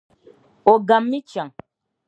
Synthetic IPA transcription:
o˨ɡa˨mːi˦t͡ʃa˨ŋ

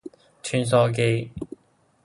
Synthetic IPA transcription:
t͡ʃʰy˨˧˩ns̬ɔː˧k̬e˧

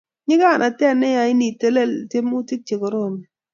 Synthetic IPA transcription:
ɲɪ˦ka˦˨nʔa˨tɛ˦˨nːɛ˦ja˨ɪ˦ni˨te˦le˦˨lte˦mu˦ti˦k̚t͡ʃe˨ko˨ɾo˦˨ni˨

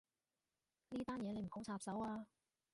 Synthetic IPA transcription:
niː˥t̪aː˥njɛː˨˧ne˨˧jm̩˨˩kʊ˨˥ŋt͡sʰaː˧p̚sɐ˨˥waː˧

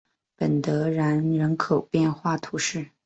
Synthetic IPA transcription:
pə˨˩nt̪ɤ˧˥ɻa˧˥nɻə˧˥nkʰo˨˩ʊpjɛ˥˧nxwa˥˩t̪ʰu˧˥ʂɻ̩˥˩

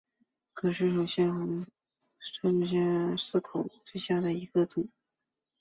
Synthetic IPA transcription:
kʰɤ˨˩ʂɻ̩˥˩ʂo˨˩ʊɕjɛ˥˩n˧˥ | ʂɤ˥˧˩ɕjɛ˥˧nsɹ̩˥˩kʰo˨˩ʊt͡swe˥˧ɪɕja˥˩d̪ə˩i˧˥ɡ̥ə˧t͡sʊ˨˩˦

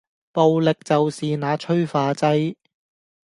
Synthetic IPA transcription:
po˨wlɪ˨k̚t͡sɐ˨wsiː˨naː˨˥t͡ʃʰɵ˥ɥfaː˧t͡sɐ˧j

